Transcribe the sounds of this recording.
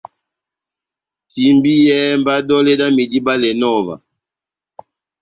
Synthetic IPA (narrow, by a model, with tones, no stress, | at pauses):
ti˨mbi˦jɛ˦mba˦dɔ˦lɛ˦da˦mi˨di˦ba˦lɛ˨nɔ˦˨va̰˨